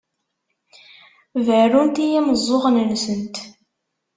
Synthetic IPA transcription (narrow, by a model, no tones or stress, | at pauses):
vərunt̪ijiməzˤːoʁnənsənt̪